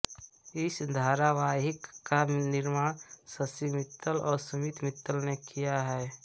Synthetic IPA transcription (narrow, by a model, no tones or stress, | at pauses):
ɪsd̪ʱaːɾaʋaːɦɪkːanɪɾmaːɽ̃səsimɪt̪ːəlɔːɾsɐmit̪mɪt̪ːəlnekʰijaɦɛː